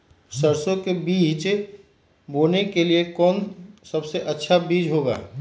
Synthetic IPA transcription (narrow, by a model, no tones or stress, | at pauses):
səɾsõkebiːt͡ʃ | boːnekeliekɔːnsəbseʔətːʃʰabiːd͡ʒɦoɡa̰ː